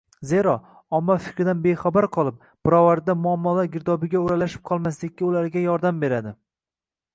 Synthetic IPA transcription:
ze̞ɾɒ | ɒmːɒfɪ̥kʲɾɪd̪anbeχabaɾqʰɒlˠɪp̚ | b̥ɪɾɒvaɾd̪amʊamːɒlaɾɡʲɪɾd̪ɒbɪɡʲaoɾalaʃɪ̥p̚qʰɒlˠmaslɪkʲːɪʊlaɾɡʲajɒɾd̪ambe̞ɾad̪ɪ

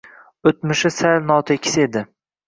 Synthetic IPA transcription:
ot̪mʊʃɪsalnɒt̪ʰekʲʰːɪ̥sed̪ɪ

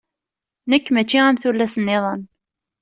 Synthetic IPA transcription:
nəkːmæt͡ʃːiæmθulːæsənːɪðˤən

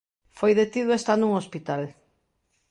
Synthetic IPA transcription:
fojðet̪iðwest̪anuŋospit̪al

